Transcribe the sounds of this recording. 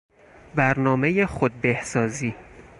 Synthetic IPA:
bæɾnɒːme̞jexod̪̚behsɒːziː

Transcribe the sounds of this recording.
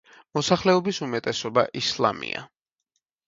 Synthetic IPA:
mɔsaχlɛɔbisumɛt̪ʼɛsɔba̰ʔislˠa̰mḭa̰

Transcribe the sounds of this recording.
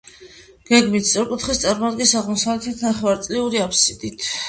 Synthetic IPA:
ɡ̥ɛɡmit̪ssʼɔɾkʼut̪ʰχist̪sʼaɾmad̪ɡisaʁmɔsavlɛt̪ʰit̪ʰnaχvaɾt̪sʼliuɾiapʰsid̪̥it̪ʰ

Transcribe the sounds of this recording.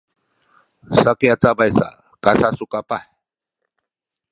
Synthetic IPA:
sakeat͡sabajsa̰ | kasasukapa

